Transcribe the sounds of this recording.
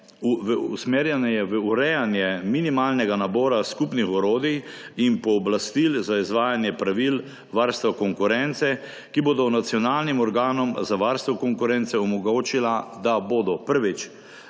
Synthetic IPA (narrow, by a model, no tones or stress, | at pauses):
ʋusmeːɾjɛnɛjɛʋəuɾɛjanjɛminimalnɛɡanabɔːɾaskupnixɔɾoːd̪iinpɔːblast̪ilzaizʋaːjanjɛpɾaʋil | ʋaɾst̪ʋɔkɔŋkʊɾɛnt̪sɛ | kiboːd̪ɔnat̪sjɔnaːlnimɔɾɡaːnɔmzaʋaɾst̪ʋɔkɔŋkʊɾɛnt̪sɛɔmɔɡoːt͡ʃilad̪aboːd̪ɔpəɾʋit͡ʃ